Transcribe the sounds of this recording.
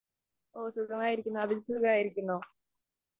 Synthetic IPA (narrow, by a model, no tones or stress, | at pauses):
oːsukɐmaːjiɾikʲːunːoɐbisukaːjiɾikʲːunːoː